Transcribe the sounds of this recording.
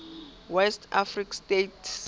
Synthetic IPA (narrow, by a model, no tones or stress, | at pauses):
wɛstʰafrikstetʰ